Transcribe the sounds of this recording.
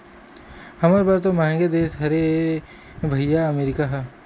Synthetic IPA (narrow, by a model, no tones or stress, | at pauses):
hɐmaːɾbaɾt̪omɐ̃ɦɛ̃ŋɡed̪eːsɦɐɾe | bʱɐjaɐmeːɾɪkaɦɐ